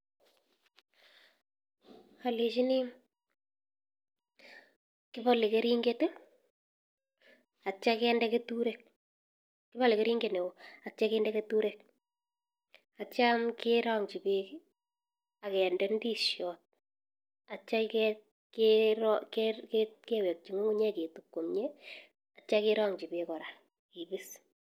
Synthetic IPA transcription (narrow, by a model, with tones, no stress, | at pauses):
a˨li˨ʃi˦ni˦ | kɪ˦pɔ˦li˨ke˦ɾi˦ŋɡete˦ | a˨t͡ʃa˦kɛːndɛ˦ketu˦ɾe˨k̚ | kɪ˦pɔ˦lɪ˨ke˦ɾi˦ŋɡe˨ne˨wo˨a˨t͡ʃa˦kɛːndɛ˦ke˦tu˦ɾe˨k̚ | a˨t͡ʃa˦mkɪɾaŋt͡ʃi˨peki | a˨kɛ˨ndɛ˦ndi˦ʃjɔ˨t̚ | a˨t͡ʃa˦kɛ | keɾɔkkeke˦wɛ˨k̚t͡ʃi˨ŋo˦ŋu˦ɲɛ˦ke˨tu˨kːo˨mɲe˦ | a˨t͡ʃa˦kɪ˦ɾɔ˦ŋt͡ʃi˨be˨kɔ˨ɾa˨ | ki˨bi˦s